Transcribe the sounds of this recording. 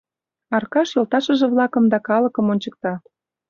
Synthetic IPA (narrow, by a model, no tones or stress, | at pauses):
ɑrkɑʃjolt̪ɑʃə̆ʒĕβlɑkə̆md̪ɑkɑlə̆kə̆monʲt͡ɕək̚t̪ɑ